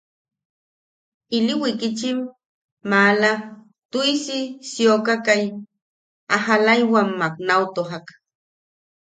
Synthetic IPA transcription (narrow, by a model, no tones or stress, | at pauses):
iliwikit͡ʃimː | aːla | t̪uisisiokakaj | aɦalajwamːak̚nawt̪oɦak